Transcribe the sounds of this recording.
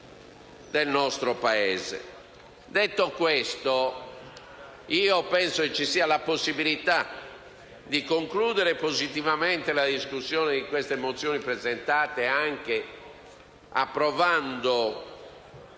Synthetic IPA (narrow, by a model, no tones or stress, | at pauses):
d̪elnɔst̪ɾopaɛːzḛ | d̪et̪ːokwest̪o | iːopɛnsoket͡ʃːisiːalaposːibilit̪a | d̪ikoŋkluːd̪ɛɾepozit̪ivameɛnt̪elad̪iskusːjɔːned̪ikwest̪emot̪sːjoːnipɾɛzɛnt̪aːt̪eaŋk̟e | a̰pːɾɔvand̪o